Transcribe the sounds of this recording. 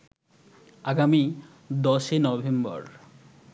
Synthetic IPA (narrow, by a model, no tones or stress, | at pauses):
aɡami | d̪ɔʃenɔbʱembɔ̰ɾ